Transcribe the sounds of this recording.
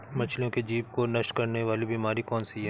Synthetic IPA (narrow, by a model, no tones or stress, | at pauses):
mɐt͡ʃʰlijõked͡ʒiːpkonɐʃʈkɐɾneʋaːlibʱimaːɾikɔːnsiɦɛ